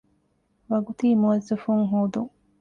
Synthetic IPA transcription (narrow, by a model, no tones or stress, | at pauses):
ʋɐɡut̪iːmuɐzifuŋɦuːd̪uŋ